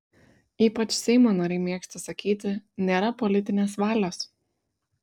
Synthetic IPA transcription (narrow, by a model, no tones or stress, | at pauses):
iːpɐt͡ʃsʲɛɪmoːnoːɾʲɛɪmʲeɛksʲt̪ʲɪsɐkʲiːt̪ʲɪnʲeːɾɐpɔlʲɪt̪ʲɪnʲeːsʋɑːlʲoːs